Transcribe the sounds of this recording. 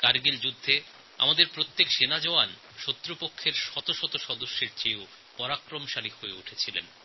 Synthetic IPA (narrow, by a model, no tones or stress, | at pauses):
kaɾɡild͡ʑud̪ʱːe | a̰mad̪eɾpɾot̪ːekʃenad͡ʑɔoan | ʃot̪ːɾopokʰːeɾʃɔt̪oʃɔt̪oʃɔd̪oʃːeɾt͡ɕeo | pɔɾakɾomʃalihoeuʈʰet͡ɕʰilḛn